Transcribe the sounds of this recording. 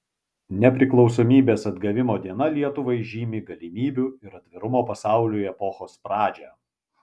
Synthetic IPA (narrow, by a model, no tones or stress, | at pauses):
nʲɛpʲɾʲɪklˠɒʊsoːmʲiːbʲeːsɐd̪ɡɐʋʲɪmoːd̪ʲiɛnɐlʲiɛt̪ʊʋɐɪʒʲiːmʲiːɡɐlʲɪmʲiːbʲʊɪɾɐd̪ʲʋʲɪɾʊmoːpɐsɑˑʊlʲuɛpɔxoːspɾɑːd͡ʒʲɛ